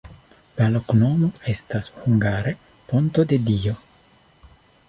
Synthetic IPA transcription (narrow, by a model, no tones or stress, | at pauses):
lalo̞kno̞mo̞e̞stashuŋɡaɾe | pont̪o̞d̪e̞dio̞